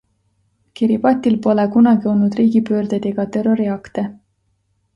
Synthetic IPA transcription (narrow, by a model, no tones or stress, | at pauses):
kiɾipɑt̪ʲːˑilpo̞lekunɑɡ̥io̞lnud̪̥riːɡ̥ipøːrd̪̥ed̪̥eɡ̥ɑt̪e̞ro̞ɾiɑkt̪e